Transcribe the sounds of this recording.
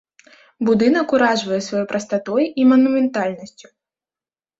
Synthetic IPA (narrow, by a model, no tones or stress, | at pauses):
bud̪ɨnɐkuɾaʐvɐjɛsvajɔjpɾɐst̪at̪ɔjimɐnumʲɛnt̪alʲnɐsʲt͡sʲu̥